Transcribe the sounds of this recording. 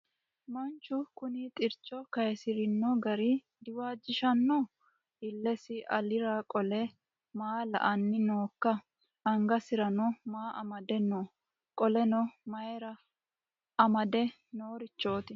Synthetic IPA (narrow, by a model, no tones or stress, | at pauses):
mɐnt͡ʃːʊkʊnit̪ʼɪɾt͡ʃʼːɔkɐjɛsɪɾɪnːɔɡɐɾi | d̪ɪwaːd͡ʒːɪʃɐnːɔ | ɪlːɛsɪʔɐlɪɾakʼɔlɛ | maːlɐ̰ʔɐnːɪnoːkːɐ | ɐŋɡɐsɪɾɐnɔmaːʔɐ̰mɐd̪ɛnɔ | kʼɔlɛnɔmɐjɛɾɐ | ɐmɐd̪ɛ | noːɾɪt͡ʃːo̞ːt̪ɪ